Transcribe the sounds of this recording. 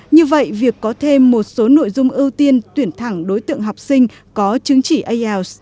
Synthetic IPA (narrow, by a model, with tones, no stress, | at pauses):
ɲɨ˧və̰˧˨jvi˨˩əkːɔ˨˦t̪ʰe˧mːo˨˩t̚so˨˦no̰˧˨jzʊ˧ŋ͡mʔi˧wt̪i˧ənt̪wi˧˩ənt̪ʰa˧˩ŋɗo˨˦jt̪ɨ̰˧˨əŋɦa˨˩wk͡p̚sï˧ŋ̟ | kɔ˨˦t͡ɕɨ˨˦ŋt͡ɕi˧˩ʔə˧ʔɛ˧ws